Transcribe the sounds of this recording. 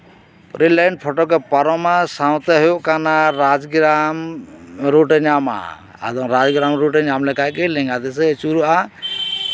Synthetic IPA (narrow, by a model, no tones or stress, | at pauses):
ɾilɛɳɖpʰɔʈɔkɛpaɾɔmasawt̪ɛɦɔjɔʔkanaɾad͡ʒɡɾam | ɾuʈɛɲama̰ | a̰d̪ɔŋɾad͡ʒɡɾamɾuʈɛɲamlɛkajkɛlɛŋɡat̪ɛs̬ɛt͡ʃuɾuʔa